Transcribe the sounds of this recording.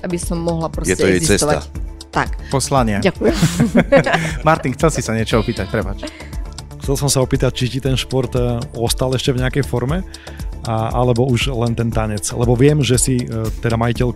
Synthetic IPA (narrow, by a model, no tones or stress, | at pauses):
ʔabisɔmːɔɦlapɾɔjɛtɛɔjɛzist͡sɛst̪ɔaa̰t̪akpɔslaɲɪaɟakujɛm | maɾt̪inxt͡sɛlsisaɲɪɛt͡ʃɔɔpiːt̪ac̚pɾɛpat͡ʃ | xt͡sɛlˠsɔmsaɔpiːt̪ac̚t͡ʃicit̪ɛnʃpɔɾt̪ɔst̪alɛʃcɛvɲɛakɛjfɔɾmɛ | ʔalɛbɔuʒlɛnt̪ɛnt̪aɲɛt͡slɛbɔʋɪɛmʒɛsit̪ɛd̪amajicɛʎ